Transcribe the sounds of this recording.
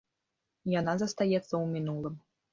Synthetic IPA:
janazɐst̪ajɛt̪sːɐwmʲinulˠɨm

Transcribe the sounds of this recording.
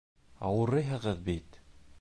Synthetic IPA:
ɑwɤ̆ɾɤjɦɤ̆ʁɤðbit̪

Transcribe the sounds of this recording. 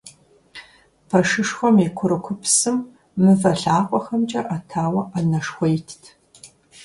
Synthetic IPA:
pʰɐʂɨʂxʷɔmikʷʰʊɾɨkʷʰʊpsɨmː | ɨvɐɬaːqʷʼɔxɐmt͡ʃʼɐʔɐtʰaːwɐʔɐnɐʂxʷɔjtʰtʰ

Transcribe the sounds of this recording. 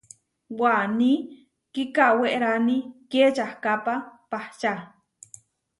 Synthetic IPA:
wwani | kikaweʔeɾaniket͡ʃahkapapaht͡ʃa

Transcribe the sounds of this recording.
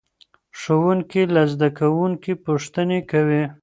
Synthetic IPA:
ʂowuŋkilazd̪akawuŋkipuʂt̪ənekawi

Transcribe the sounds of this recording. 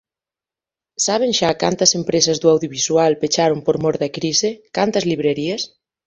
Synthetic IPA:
saβ̞eŋʃakant̪ɐsempɾesɐzðuawðjoβ̞iswalpet͡ʃaɾompoɾmoɾðɐkɾisekant̪ɐzliβɾeɾiɐs

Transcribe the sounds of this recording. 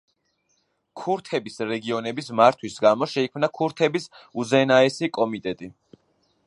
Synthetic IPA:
kʰuɾt̪ʰɛbisɾɛɡiɔnɛbismaɾt̪ʰwisɡamɔʃɛikʰmnakʰuɾt̪ʰɛbisuzɛnaɛsikʼɔmit̪ʼɛt̪ʼi

